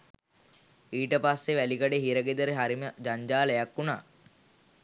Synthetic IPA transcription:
iːʈəpasːeʋælikaɖeɦiɾəɡed̪əɾeɦaɾiməd͡ʒaɲd͡ʒaːləjakːuna̰ː

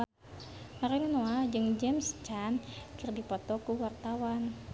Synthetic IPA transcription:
maɾinanoad͡ʒɨŋd͡ʒɛmst͡ʃankɨrdipɔt̪ɔkuwart̪awan

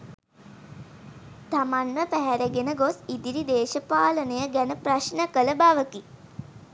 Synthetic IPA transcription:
t̪amanməpæɦæɾæɡenəɡosid̪iɾid̪eːʃəpaːlənəjəɡænəpraʃnəkələbaʋəki

